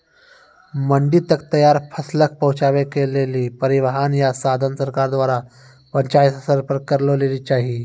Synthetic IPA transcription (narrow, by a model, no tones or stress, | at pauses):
məɳɖiːt̪ək̚t̪əjaɾpʰəslək̚pəɦut͡ɕaʋekeleliːpəɾiʋəɦanjasad̪ʱənsəɾkaɾd̪ʋaɾa | pəɲt͡ɕajt̪əsəɾpəɾkəɾləleliːt͡ɕaɦi